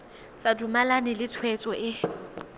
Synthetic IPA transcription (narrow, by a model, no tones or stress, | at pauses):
sadumalanɪlɪt͡sʰwɛt͡sʼɔʔɪ